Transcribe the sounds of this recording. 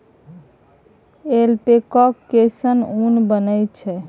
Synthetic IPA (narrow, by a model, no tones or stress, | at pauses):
elpekɔkːesənunbənəjt͡ʃʰɛ